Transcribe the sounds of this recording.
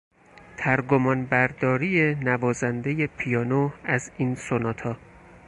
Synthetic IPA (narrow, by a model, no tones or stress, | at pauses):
t̪ʰæɾɡomɒːnbæɾd̪ɒːɾiːjenævɒːzænd̪eje̞pʰijɒːnoæziːnsonɒːt̪ʰɒː